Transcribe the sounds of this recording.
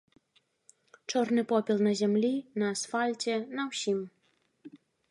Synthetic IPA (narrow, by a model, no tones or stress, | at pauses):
t͡ʂɔrnɨpɔpʲilˠnɐzʲɛmlʲinɐːsfalʲt͡sʲɛnɐwsʲim